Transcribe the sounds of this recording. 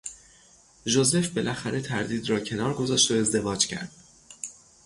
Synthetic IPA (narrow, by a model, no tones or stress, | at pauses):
ʒo̞ze̞fbe̞lʔæxæɾe̞t̪ʰæɾd̪iːd̪rɒːcʰe̞nɒːɾɡo̞zɒːʃt̪o̞e̞zd̪e̞vɒːd͡ʒcʰæ̰ɾd̪̥